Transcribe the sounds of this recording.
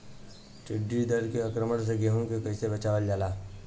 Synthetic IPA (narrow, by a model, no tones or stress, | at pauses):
ʈɪɖːid̪əɾkeɐkɾəməɽs̬eɡeɦõkekɐisebət͡ʃaːʋəld͡ʒaːlaː